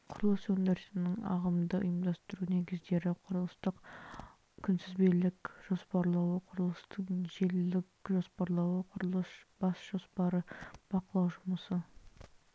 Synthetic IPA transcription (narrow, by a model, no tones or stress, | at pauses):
qʰʊɾəlˠəsɵnd̪eɾsɪnɪŋɑ̰ʁəmd̪əʔʊ̰jəmd̪ɑst̪əɾuneɡʲɪzd̪e̞ɾɪqʰʊɾəlˠəst̪əq | kʲʰʏnsɪzbelɪkʒ̥o̞spɑɾlˠɑwəqʰʊɾəlˠəst̪əɴʒellɪkʒo̞spɑɾlˠɑwəqʰʊɾəlˠəsb̥ɑsʒ̥o̞spɑɾəb̥ɑqəlˠɑwʒʊməsə